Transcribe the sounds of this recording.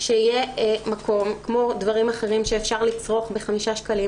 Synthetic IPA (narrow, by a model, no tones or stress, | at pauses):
ʃeije̞makʰo̞mkmo̞dvaʁimaχe̞ʁimʃeːfʃaʁlit͡sʁoχbeχamiʃaʃkali